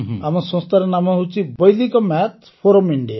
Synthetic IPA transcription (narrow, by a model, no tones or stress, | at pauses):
amɔsɔ̃st̪aɾenamɔɦowt͡ʃʰibɔjlikɔmat̪ʰ | pʰoɾɔmiɳɖia